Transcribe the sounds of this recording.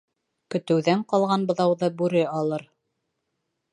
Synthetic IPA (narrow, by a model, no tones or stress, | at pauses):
kɵ̆t̪ɘ̆wðæɴqɑlˠʁɑnbŏðɑwðɤbʉɾɘɑlˠɤɾ